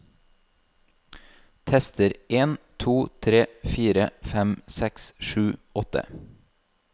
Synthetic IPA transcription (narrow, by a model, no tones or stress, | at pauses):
t̪ʰɛst̪əɾʔeːnt̪ʰuːt̪ʰɾeːfiːɾəfɛmsɛksʃʉːɔt̪ə̰